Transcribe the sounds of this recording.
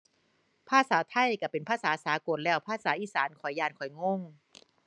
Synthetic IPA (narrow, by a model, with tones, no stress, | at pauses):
pʰaː˥˩saː˩˦t̪ʰa˧˩˨jka˧˩pe˨npʰaː˥˩saː˨˩˦saː˨˦ko˨˩˦nlɛː˥˩wpʰaː˥˩saː˨˩˦ʔiː˧˩saː˨˦nkʰɔ˨˩jːaː˧nkʰɔ˨˩jŋo˧˥˩ŋ